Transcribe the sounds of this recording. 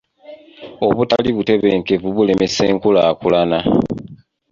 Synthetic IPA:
o̞βuta̰liβute̞βeːŋke̞vuβule̞me̞se̞ːŋkulaːkulana

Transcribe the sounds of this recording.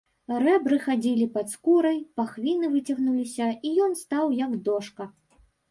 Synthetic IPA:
rɛbɾɨxad͡zʲilʲipɐt̪skuɾɐjpaxvʲinɨvɨt͡sʲɐɣnulʲisʲɐijɔnst̪awjɐɡd̪ɔʂkɐ

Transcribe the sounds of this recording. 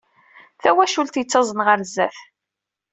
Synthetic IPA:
θæwæʃult̪jət͡sːɑzˤənʁəɾzːæθ

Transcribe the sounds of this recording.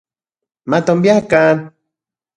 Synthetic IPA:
mat̪ombijakan

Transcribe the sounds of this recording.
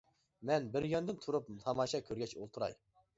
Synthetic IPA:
mɛnbɪɾjønd̪ɪnt̪ʰuɾup̚mt̪ʰɑmɑʃɑkʲʰøɾɡʲɛt͡ʃo̰lˠt̪ʰuɾɑ̰j

